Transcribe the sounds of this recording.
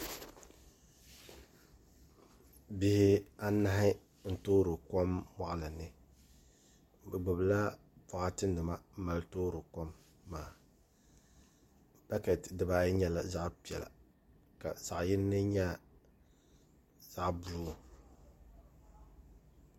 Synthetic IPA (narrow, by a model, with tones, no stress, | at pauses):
bɪ˨hɪ˦a˦na˦ɦɪ˦ | n̩˨toː˦ɾɨ˨ko˦mma˦ʔla˨nɨ˨ | bɨ˨ɡ͡bɨ˨bla˦ | pa˦˨ʔa˦tɨ˦n˦nɨ˨ma˦m̩˦ma˨ltoː˦ɾɨ˨ko˦mː | aː˨ | ba˦kɛ˨tdɨ˨baː˦jɲɛ˦la˨za˦ʔpi˨ɛ˨la̰˨ | ka̰˨sa˨ʔjɪ˦nː˦ɨ˦ɲa˦˨ | z̥a˦ʔbu˦˨